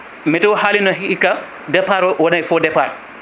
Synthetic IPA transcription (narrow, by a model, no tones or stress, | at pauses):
mɛtɔwhaːlinɔɦiika | dɛpaɾɔwɔnajfɔdɛpa̰ɾ